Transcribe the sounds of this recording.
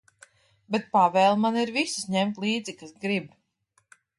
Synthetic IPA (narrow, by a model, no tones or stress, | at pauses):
bɛt̪̚pavɛːlˠmaniɾvisi̥sɲɛmt̪lˠiːd̪zikasɡɾib